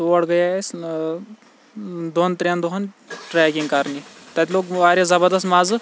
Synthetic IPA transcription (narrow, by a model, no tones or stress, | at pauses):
t̪oɐɽɡɐjas | d̪ont̪ɾʲend̪oɦɐnʈɾɛkiŋɡkaɾnit̪ɐt̪ʲloːkʋaɾʲezɐbəɾd̪ɐst̪maz